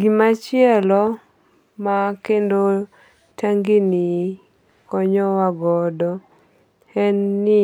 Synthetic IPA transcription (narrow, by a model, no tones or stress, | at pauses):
ɡimat͡ʃɪɛlɔ | makendo | tʰaŋɡini | kɔɲɔwaɡɔdɔ | ɛnːɪ